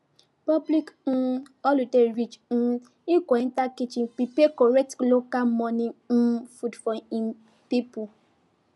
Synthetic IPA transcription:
pɔblikn̩ | ɔludeɾit͡ʃn̩ | ikʷɔn̩takit͡ʃiŋ̩pipekɔɾɛtlokalmɔnin̩fudfɔi | pipu

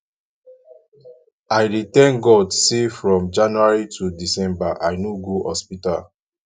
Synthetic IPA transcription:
ajɾitɛ̃nɡɔdsefɹɔ̃md͡ʒãnuaɹitʰudisɛ̃mbaʔaɪnuɡuhɔspita̰l

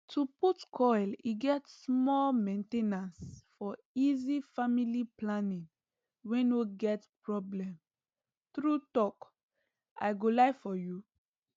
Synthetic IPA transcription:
tʰuputkʰɔliɡɛtsmɔlmẽntenasfɔ | izifamiliplanĩŋ | wɛ̃nwiɡɛtpɹɔblɛ̃m | θɹutɔk | ʔa̰ɪɡolaɪfɔju

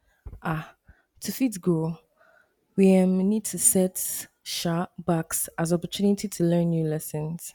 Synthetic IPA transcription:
ʔa | tʰufitɡo | wiɛmnid̚tʰusɛt | ʃabaksazɔpətʰunitʰitʰulɜ̃nːjulɛsə̃nz̥

